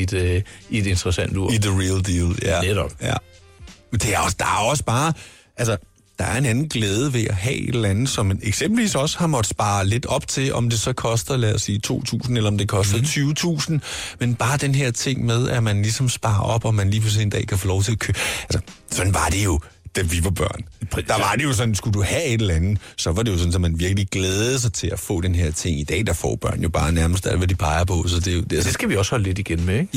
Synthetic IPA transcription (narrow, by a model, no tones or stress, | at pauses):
d̥ied̥e̝nd̥ʁɐsæn̰d̥uɐ̰id̥eʁild̥iːljænedb̥jæ̰ | d̥e̝æɐɒ̽sd̥ɑ̈æɐɒ̽sb̥ɑ̈ː | ʔælsɐ | d̥ɑ̈æɐe̝nænn̩ɡ̥leːð̞ˠəʋe̝ʔæɦɛ̰ːed̥lænð̩ˠsɒ̽meneɡ̥sem̰b̥l̩ʋḭːsɒ̽shɑ̈mɒ̽d̥sb̥ɑ̈ːle̝d̥ɒ̽b̥̚t͡sʰe̝ʔɒmd̥e̝sɒ̽kʰɒ̽sd̥ɐlæɒsiːt͡sʰo̝̰ːt͡sʰṵːsn̩elɐɒ̽md̥e̝kʰɒ̽sd̥ɐt͡sʰyːʊət͡sʰṵːsn̩menb̥ɑ̈ːd̥enɦeɐ̰t͡sʰe̝ŋ̰meðˠæmænlisɒ̽msb̥ɑ̈ːɐʔɒ̽b̥ɒ̽mænliːpʰʁɒsḭend̥ɛ̰ɪkʰæfɔːlɒʊt͡sʰe̝lækʰøælsɐsɒ̽n̩ʋɑ̈d̥e̝jo̝d̥æʋiʋɑ̈b̥ɶɐ̰nʰd̥ɑ̈ʋɑ̈d̥e̝jo̝sɒ̽nnsɡ̥ud̥uhæe̝d̥elænð̩ˠsɒ̽ʋɑ̈dejo̝sɒ̽n̩sɒmænʋiɐɡ̥əliɡ̥leːðˠəs̬ɑ̈ɪt͡sʰe̝læfɔ̰̽ːd̥enɦeɐ̰t͡sʰe̝ŋ̰id̥ɛ̰ːd̥ɑ̈fɒ̰ːb̥ɶ̰ɐ̰njo̝b̥ɑ̈ːnæɐməsd̥æl̰ʋæd̥ipʰɑ̈ɪɐpʰɒ̽sɒ̽d̥e̝jo̥æd̥esɡ̥æʋiɒ̽shɒ̽ləle̝diɡ̥enmeɡ̥